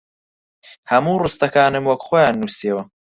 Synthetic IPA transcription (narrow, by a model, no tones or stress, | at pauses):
hɐmuːrɨst̪ɐkaːnɨmwɐkχoːjaːnːuːsewɐ